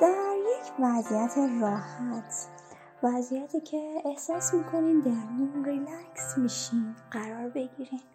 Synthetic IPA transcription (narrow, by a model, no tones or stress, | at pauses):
d̪̥æɾjecʰvæzijæt̪ʰe̞rɒːhæt̪ʰ | væzijæt̪ʰiːcʰe̞ːhsɒːsmiːkʰo̞nimd̪æɾmunrilæksmiːʃinɢæɾɒːɾbe̞ɟiɾim